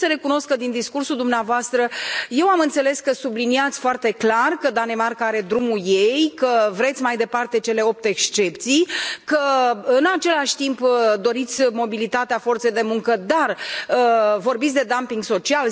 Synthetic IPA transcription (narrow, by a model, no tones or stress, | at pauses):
səɾe̞kuno̞skəd̪ind̪iskursuld̪umneavoast̪ɾəje̞wamɨnt̪se̞le̞skəsubliniat̪sʲfoart̪e̞klarkəd̪ane̞markaaɾe̞d̪ɾumuje̞jkəvɾe̞t̪sʲmajd̪e̞part̪e̞t͡ʃe̞le̞o̞p̚t̪ekst͡ʃe̞pt̪sijkəɨnat͡ʃe̞laʃʲt̪impd̪o̞ɾit̪sʲmo̞bilit̪at̪eafo̞rt̪se̞jd̪e̞muŋkəd̪arəvo̞rbit̪sʲd̪e̞d̪ampiŋɡso̞t͡ʃial